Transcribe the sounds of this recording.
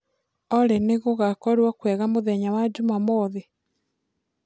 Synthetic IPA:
ɔɾeneɣoɣakɔɾwɔkwɛɣamoðɛɲawad͡ʒumamɔðe

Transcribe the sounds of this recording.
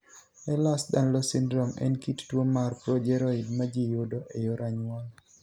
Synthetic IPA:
ɛlasdanlosindɾɔmɛ̰nkittwomarpɾɔd͡ʒɛɾɔɪdmad͡ʒijodoʔejoɾʔaɲwal

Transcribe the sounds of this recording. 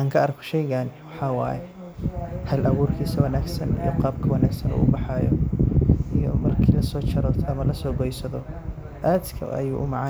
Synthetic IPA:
ʔaːŋkʰɐɐːrkʰɔ̥ʃɛjɣanɪwɑħɑːwɑ̰ːjɛ | hɐlʔɐɣuːrkʰiːsɐwɐnaːɡsɐnḭjɔqɑːbkʰɐwɐnaːɡsɐnṵːʔʊbɑħɑjɔ̰ | ʔijɔ̰mɐrkʰiːlɐsɔːt͡ʃɐɾɔːt̪ʰɐmɐlɐsɔːɡɔjsɐðɔ | ʔaːd̪kʰɐ̰ʔɐ̰juːʔʊmɑʕɑ

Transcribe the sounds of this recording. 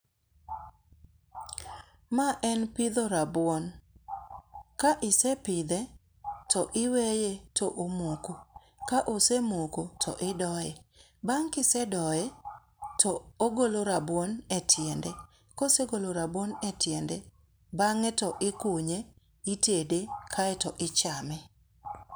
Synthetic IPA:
maʔɛnpɪd̪oɾabwɔn | kaʔɪsɛpɪd̪ɛ | tɔʔɪwejetʰɔʔomoko | kaʔosemokotʰɔ̰ʔɪdɔjɛ | baŋkɪsɛdɔjɛ | tɔoɡoloɾabwɔnɛtʰjɛndɛ | koseɡoloɾabwɔnɛtjɛndɛ | baŋɛtɔʔɪkuɲe | itedekʰaɛtɔʔɪt͡ʃamɛ

